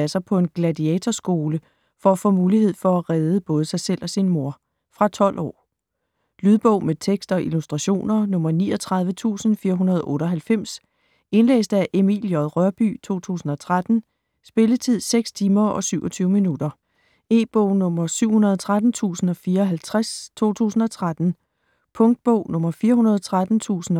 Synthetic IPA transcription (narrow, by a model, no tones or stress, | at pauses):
æsɑpʰɒ̽e̝nɡ̥lædiɛt͡sʰɒsɡ̥o̝ːlə | fɒ̽æfɔːmuːliɦe̝ð̞̰ˠfɒ̽æʁɛð̞ˠəb̥ɔ̽ːð̞ˠəsɑ̈ɪsel̰ɒ̽sinmo̝ɐ̰ | fʁɑ̈t͡sʰɒ̽l̰ʔɒ̰ː | lyð̞ˠb̥ɔʊ̰met͡sʰeɡ̥sd̥ɒ̽ʔilusd̥ʁɑ̈ɕo̝̰ːnɐnɔ̽mɐniːɒt͡sʰʁɑ̈ðˠʋət͡sʰṵːsn̩fiːɐɦunɐð̞ˠʔɔ̽ːɾ̥əɒ̽ɦælfem̰s | e̝nlḛːsd̥əæʔemiljɒðˠʁɶɐb̥y̰t͡sʰo̝̰ːt͡sʰṵːsn̩ɒ̽t͡sʰʁad̥n̩ | sb̥e̝lət͡sʰið̞̰ˠseɡ̥st͡sʰiːmɐɒ̽syʊɒt͡sʰyːʊəminudɐ | e̝ːb̥ɔʊ̰nɔ̽mɐsyʊ̰hunɐð̞ˠt͡sʰʁad̥n̩t͡sʰṵːsn̩ɒ̽fiːɐɒ̽ɦælt͡sʰʁast͡sʰo̝̰ːt͡sʰṵːsn̩ɒ̽t͡sʰʁad̥n̩ | pʰɔ̽ŋd̥̚b̥ɔʊ̰nɔ̽mɐfiːɐɦunɐð̞ˠt͡sʰʁad̥n̩t͡sʰṵːsn̩